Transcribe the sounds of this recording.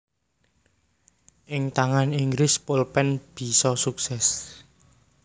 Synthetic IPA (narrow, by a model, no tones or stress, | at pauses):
ʔɪŋt̪aŋaniŋɡɾɪspolpɛnb̥i̤sɔsuksɛs